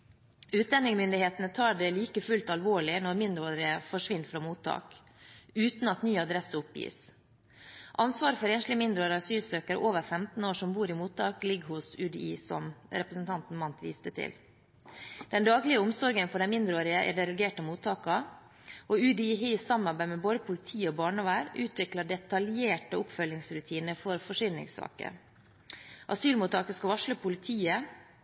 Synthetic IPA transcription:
ʉːt̪̚d̪ɛnɪŋmʏnd̪ɪheːt̪nət̪ʰɑːɖɛliːkəfʉlt̪ɑlʋoːɭɪnɔɾmɪnd̪ɾoːɾɪəfɔʂʋɪnt̪fɾɑmuːt̪ʰːɑ̰ːk | ʉːt̪n̩ɑt̪nyːɑd̪ɾɛsəʊpjḭːs | ʔɑnsʋɑːɾəfɔɾeːnʂlɪəmɪnd̪ɾoːɾɑsyːsøːkəɾə̰ʔoːʋəɾfɛmt̪n̩oːʂɔmbuːɾɪmuːt̪ːɑːklɪɡhʊsʉːd̪iːsɔ̰mɾɛpɾəsn̩t̪ʰɑnt̪n̩mɑnt̪ʋḭːst̪ət̪ʰɪ̰l | d̪̥ɛnd̪ɑːɡlɪəʊmsɔɾɡənfɔɖɛnmɪnd̪ɾoːɾɪəʔæ̰ɖɛɾɛɡeːʈəmuːt̪ʰːɑːkɑ | ʔɔʉd̪iːɦiːsɑmɑɾbæɪmɛboːd̪əpʰʊlɪt̪ʰiːəɔbɑːɳəʋæːɾʉːt̪ʋɪklɑɖɛt̪ɑljeːʈəʊpfœlɪŋsɾʉt̪ʰiːnəɾfɔɾfɔʂʏnnɪ̰ŋsɑ̰ːkə̰ɾ | ʔɑsyːlmuːt̪ːɑːkəskɑʋɑʂləpʰʊlɪt̪ʰiːə

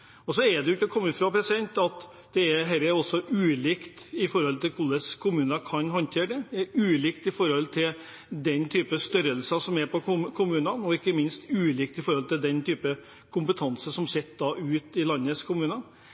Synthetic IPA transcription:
ɔsɔɛɖ̪ɛjʉt̪ːəɔkʰɔmːɪfɾɑpʰɾɛsɪd̪ɛnt̪ɑt̪ | d̪̥ɛæɾɦæɾɛɾɔsːɔʔʉːlɪkt̪ɪfɔɾɔlt̪ɪlkʰʊlːəskʰʊmʉːnəkʰɑnɦɔnt̪ʰeːɖɛd̪ɛɛɾʉːlɪkt̪ɪfɔɾhɔlt̪ʰɪl | d̪ɛnːt̪ʰyːpəst̪œɾəlsɑsɔmæɾpʰɔkʰʊmʉːnənɔɪkːəmɪnst̪ʉːlɪk̚t̪ɪfɔɾhɔlt̪ɪld̪ɛnt̪ʰyːpə | kʰʊmpət̪ʰɑnsəʂɔmsɛt̪ːd̪ɑʔʉːt̪ɪlɑnːəskʰʊmʉːnə

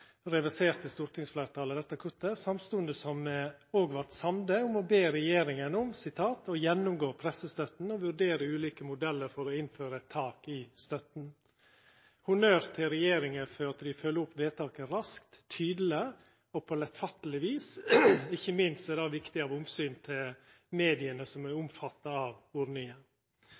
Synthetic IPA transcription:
ɾɛʋæseːɾt̪ʰəst̪ʊɾt̪ɪŋsflæːɾt̪ʰɑːləd̪ɛt̪ːəkʰʉt̪ːəsɑmst̪ʊːnd̪əsɔmoːɡʋɑt̪sɑmd̪əʊmɔbeːɾɛjeːɾɪŋənʊmsɪt̪ʰɑːt̪ɔjɛnːʊmɡoːpʰɾɛsəst̪œt̪n̩ɔʋʉɾɖeːɾəʉːliːkəmʊd̪ɛlːəɾfɔɾɔɪnføːɾəɛt̪ʰːɑːkɪst̪œt̪n | hʊnøːɾt̪ʰɪlɾɛjeːɾɪŋəføːɑt̪əd̪ɪfœlːəɾʊpːʋeːt̪ʰɑːkəɾɑskt̪ːʰyːd̪l̩ə | ɔpʰɔlɛt̪fɑt̪ːəlɪʋiːsɪçːəmɪnst̪ɛd̪ɑːʋɪkt̪ɪɑːʋʊmsyːnt̪ʰɪl | meːd̪ɪənəsɔmæɾʊmfɑt̪ːəɑʋʊɾnɪə

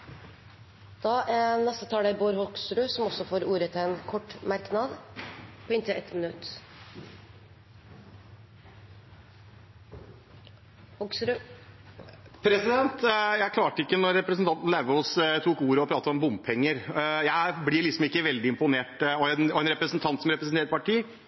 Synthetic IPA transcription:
d̪̥ɑnɛst̪ət̪ʰɑːlæboːɾhɔksɾʉːsɔmɔsːɔfoːɾuːɾət̪ʰɪlɛnkʰɔʈːmɑɾknɑd̪pʰɔɪnt̪ʰəʔɛt̪ːmənʉt̪ː | hɔksɾʉ | pʰɾɛsɪd̪ɛnt̪jæɪkʰlɑːʈəɪkːənɔɾːɛpɾəs̬nt̪ɑnt̪n̩læʋəɔst̪ʰuːkuːɾəɔpʰɾɑːt̪əɔmbʊmppʰɛŋːəɾjæɪblɪɭɪksɔmɪkːəʋɛld̪ɪɪmpʊneːʈɔɛnɔɛnɾɛpɾəsn̩t̪ʰɑnt̪sɔm̩ɾɛpɾəsn̩eːəʈpɑʈiː

